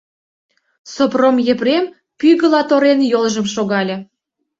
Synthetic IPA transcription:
sopromjĕprem | pyɣə̆lɑt̪oɾenjolʒə̆mʃoɣɑlʲɤ̆

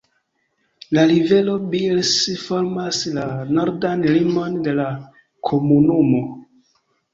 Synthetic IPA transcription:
lalive̞lo̞bilsfo̞ɾmaslanoɾdanlimo̞nde̞la | kʰomunumo̞

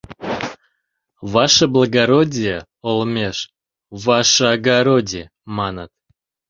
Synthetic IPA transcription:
vɑʃəblˠəɡaɾodʲijə | olˠmʲeʃ | vɑʃəaɡaɾodʲi | mɑnət̪̚

